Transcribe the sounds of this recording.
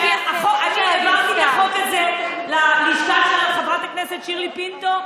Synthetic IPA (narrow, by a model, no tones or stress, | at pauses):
eaχokakeevaʁt̪ilaχokalzelaliʃtaʃelaleχavʁat̪aknesetʃiʁlipint̪o